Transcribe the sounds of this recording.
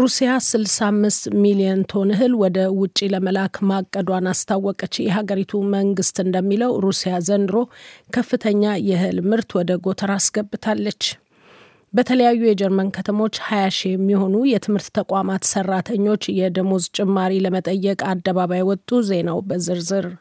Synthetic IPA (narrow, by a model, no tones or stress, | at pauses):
ɾusijasɨlsamːɨst̪milijənt̪ʰo̞nɨɦɨlwɔd̪əwʊt͡ʃʼːiləməlakmakʼːəd̪wanast̪ʰawːɔkʼət͡ʃːjɛɦaɡəɾit̪ʰuməŋɡɨst̪ɨnd̪əmːiləwɾusijazənd̪ɨɾo̞kʰəfːɨt̪ʰəɲːajɛhɨlmɨɾt̪wɔd̪əɡo̞t̪ʰəɾasɡəbːɨt̪ʰalːət͡ʃː | bət̪ʰələjajːujɛd͡ʒɛɾmənkʰət̪ʰəmo̞t͡ʃːhajaʃijɛmːiho̞nujɛt̪ʰɨmhɨɾt̪ːʰəkʷʼamat̪sərːat̪ʰəɲːo̞t͡ʃːjɛd̪əmozt͡ʃʼɪmːaɾiləmət̪ʼəjːɛkʼad̪ːəβaβajwɔt̪ʼːuze̞nawbəzɨɾzɨɾ